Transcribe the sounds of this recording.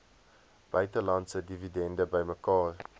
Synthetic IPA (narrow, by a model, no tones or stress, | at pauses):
b̥œɥtəlɐntsədividɛndəbəjməkɑːr